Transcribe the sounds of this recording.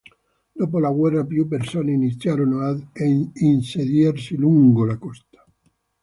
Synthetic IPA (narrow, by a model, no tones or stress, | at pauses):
d̪̥opolaɣwɛrːapjupeɾsoneinit̪sjaɾonoad̪einseðjaɾsiluŋɡolakɔst̪ḁ